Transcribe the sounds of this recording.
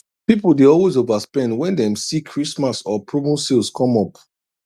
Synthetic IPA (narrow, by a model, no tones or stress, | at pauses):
pipul̩deɔlwezovaspɛ̃ndwɛ̃ndɛ̃msikʰɹismasɔpʰɹobõsilskʰɔ̃mɔp